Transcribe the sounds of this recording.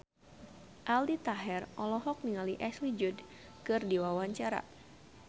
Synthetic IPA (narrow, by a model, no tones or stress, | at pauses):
ʔaldit̪aɦɛrɔlɔɦɔk̚niŋaliʔɛslid͡ʒud | kɨrdiwawaɲt͡ʃaɾa̰